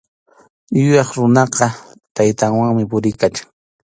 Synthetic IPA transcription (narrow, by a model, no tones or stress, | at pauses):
jʊjɑχɾʊnɑqɑ | t̪ajt̪aŋwaŋmɪpʊɾɪjkat͡ʃḁŋ